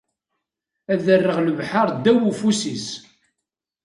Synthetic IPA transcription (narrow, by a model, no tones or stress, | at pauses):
æðərːəʁləvħaɾˤd̪æwufusis